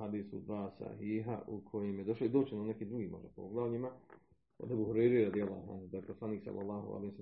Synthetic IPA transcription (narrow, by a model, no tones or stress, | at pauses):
had̪iːsud̪ʋaːsa̰hiːɦa̰ʔukʰo̞jemjed̪o̞ʃloid̪oːt͡ʃenone̞kiːd̪ɾuɡiːmoʒd̪apooɡlˠaʋʎima | od̪ebuːɦuɾejɾeɾad̪ijalˠːa̰ːhua̰nhud̪ajposlˠaniːksa̰lːalːɑːhṵa̰lehis